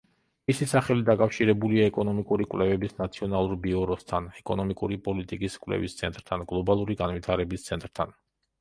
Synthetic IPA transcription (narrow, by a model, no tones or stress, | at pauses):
misisaχɛlid̪akʼafʃiɾɛbuliaɛkʼɔnɔmikʼuɾikʼwlɛvɛbisnat̪sʰiɔnalˠuɾbiɔɾɔst̪ʰanɛkʼɔnɔmikʼuɾipʼɔlit̪ʼikʼiskʼwlɛ̰vist̪sʰɛ̰nt̪ʼɾt̪ʰanɡlˠɔbalˠuɾiɡanvit̪ʰaɾɛbist̪sʰɛnt̪ʼɾt̪ʰa̰n